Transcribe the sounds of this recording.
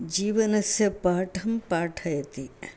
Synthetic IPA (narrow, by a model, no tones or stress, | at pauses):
d͡ʒiːʋɐnɐsjɐpaːʈʰɐmpaːʈʰɐjt̪i